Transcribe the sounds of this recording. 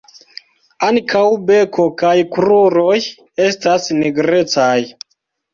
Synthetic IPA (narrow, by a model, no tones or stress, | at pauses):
aŋkʰawbe̞kʰo̞kajkɾuɾo̞j | e̞stasniɡɾe̞t͡saj